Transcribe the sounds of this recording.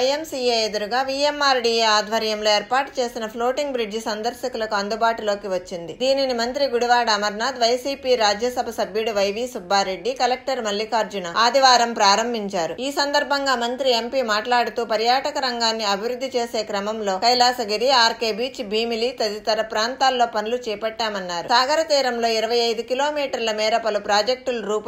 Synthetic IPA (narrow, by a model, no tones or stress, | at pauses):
ɐjemsiːeed̪uɾuɡaːʋiːemːaːɾɖiːeaːd̪ʱʋɐɾjɐmlo̞ːeːɾpaːʈt͡ʃe̞ːsinɐpʰlo̞ːʈiŋɡbɾid͡ʒsɐnd̪ɐɾsɐkulɐkuɐnd̪ubaːʈulo̞ːkiʋɐt͡ʃːind̪id̪iːninimɐnt̪ɾiɡuɽuʋaːɽɐɐmɐɾnaːd̪ʋɐjsiːpiːɾaːd͡ʒjɐsɐbʱɐsɐbʱjuɽuʋɐjʋiːsubʱːaːɾe̞ɖːikɐlek̚ʈɐɾmɐlːikaːɾd͡ʒunaaːd̪iʋaːɾɐmpɾaːɾɐmbʱiɲt͡ʃaːɾuiːsɐnd̪ɐɾbʱɐŋɡaːmɐnt̪ɾie̞mpiːmaːʈlaːɽut̪uːpɐɾjaːʈɐkɐɾɐŋɡaːnːiɐbʱiʋɾud̪ːit͡ʃe̞ːse̞ːkɾɐmɐmlo̞ːkɐjlaːsɐɡiɾiaːɾkeːbiːt͡ʃbiːmilit̪ɐd̪it̪ɐɾɐpɾaːnt̪aːlːo̞ːpɐnulut͡ʃɛːpɛʈːaːmɐnːaːɾusaːɡɐɾɐt̪iːɾɐmlo̞ːiɾɐʋɐjɐjd̪ukilo̞ːmiːʈɐɾlɐmiːɾɐpɐlupɾaːd͡ʒek̚ʈulɾuːp